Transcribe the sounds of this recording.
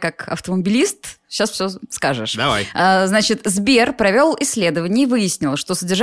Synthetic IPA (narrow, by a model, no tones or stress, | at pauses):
kakɐ̰ft̪əməbʲɪlʲist̪ɕasfʲsʲoskaʐɨ̰ʂd̪ɐvajəznat͡ɕɪt̪zbʲerpɾɐvʲo̞lˠɪsʲːlʲe̞d̪əvənʲɪəivɨjɪsʲnʲɪlˠʂt̪o̞sədʲɪrʐ